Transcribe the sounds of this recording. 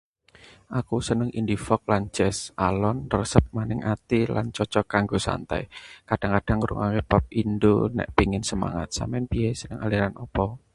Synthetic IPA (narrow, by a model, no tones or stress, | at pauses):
ʔakusənəŋʔḭndifɔk̚land͡ʒɛsʔalɔnrərsəp̚manɪŋʔat̪ila̰nt͡ʃɔt͡ʃɔkːaŋɡosa̰nt̪a̰jkad̥aŋkaɖ̥a̤ŋəɾṵŋaŋepap̚indonɛ̰ʔpiŋɪnsəma̰ŋa̰t̪̚sa̰mɛnpiɛsənəŋʔa̰liɾanɔpɔ